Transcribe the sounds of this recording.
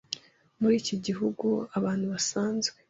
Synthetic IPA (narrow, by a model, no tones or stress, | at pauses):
muɾiːciɟiɦuɡuaβaːnhuβasaːnzɡwe